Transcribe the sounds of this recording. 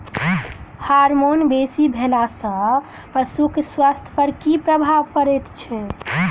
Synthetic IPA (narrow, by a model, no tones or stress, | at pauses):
haɾmonbesibʱelasə̃ | pəsukswast̪ʰpəɾkipɾəbʱaʋkəɾet̪t͡ʃʰɛ